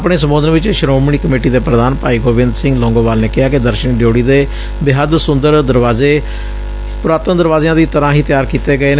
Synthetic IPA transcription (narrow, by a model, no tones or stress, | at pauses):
pɳeːsəmbõːd̪ənʋɪt͡ʃʃəɾoːmɳiːkəmeːʈiːd̪eːpɾəd̪aːnpaːiːɡoːʋɪnd̪sɪ̃ŋɡlɔ̃ːŋɡõːʋaːlneːkɪɦaːkɪd̪əɾʃənɖjoːɽiːd̪eː | bɪɦəd̪sʊnd̪əɾd̪əɾʋaːzeː | pɾaːt̪əmd̪əɾʋaːzjãːd̪iːt̪əɾãːɦiːt̪jaːɾkiːt̪eːɡəeːnː